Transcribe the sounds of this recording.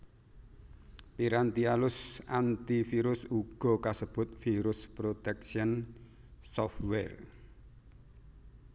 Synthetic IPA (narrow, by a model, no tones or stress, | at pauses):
piɾant̪ialʊsant̪ifiɾʊsuɡ̥ɔ̤kasəb̥ʊt̪̚fiɾʊspɾot̪ɛk̚ʃiən | sɔfwɛr